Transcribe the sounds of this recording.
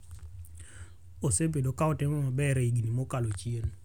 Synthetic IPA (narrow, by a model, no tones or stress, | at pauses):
osebedokaɔtɪmɔmabɛɾiɡinimokalot͡ʃien